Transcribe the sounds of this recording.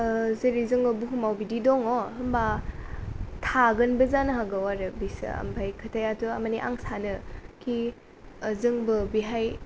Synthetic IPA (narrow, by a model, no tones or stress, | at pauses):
zɐɾizɯŋobuɦumawbididɔŋoɦɯmba | tʰaɡɐnbɐzanɐɦaɡawaɾɯbisɯ̰ɐ̰mbʰajkʰɐtʰajatʰuɐmaniʔa̰ŋsanɯkʰi | zɯŋbɯbiɦaj